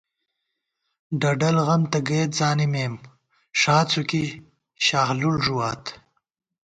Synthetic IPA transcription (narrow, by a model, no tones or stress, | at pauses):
ɖɐɖɐlɣɐmt̪ɐɡeːt̪̚zaːnimeːm | ʂaːt͡suki | ɕaːxlulʐuwaːt̪